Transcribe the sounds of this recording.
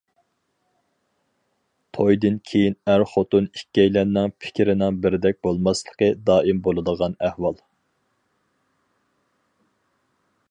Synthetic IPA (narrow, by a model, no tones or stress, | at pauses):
t̪ʰojd̪ɨnkʲʰejinæɾχot̪unikʲːɛjlænːɪŋpʰɪ̥kʲɾɪnɪŋbɪɾɪd̪ɛk̚ʲbolˠmɑslˠə̥qəd̪ɑːʔimbolˠɨd̪əʁɑnæhwɑlˠ